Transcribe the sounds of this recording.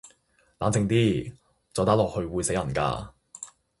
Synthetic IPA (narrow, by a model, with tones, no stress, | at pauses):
laː˨˥nt͡sɪ˨˧ŋt̪iː˥ | t͡sɔː˨˧t̪aː˥lɔː˨k̚hɵ˧ɥwuː˨˧jse˨˥jɐ˨˩nka̰ː˧